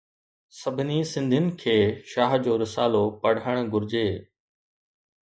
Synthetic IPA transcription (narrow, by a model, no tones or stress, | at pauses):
sɐbʱɪnisɪ̃nd̪ʱɪnɪ̆kʰeːʃaːɦd͡ʑoːɾɪsaːlopɐɽ̤əɽ̃ɡʊɾɪd͡ʑeː